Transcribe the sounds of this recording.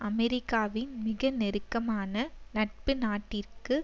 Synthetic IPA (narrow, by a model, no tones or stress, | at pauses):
ʔɐmɛɾɪkːaːʋɪnmɪɣɐnɛɾɯkːɐmaːnɐnɐʈ̚pɯnaːʈːɪrkɯ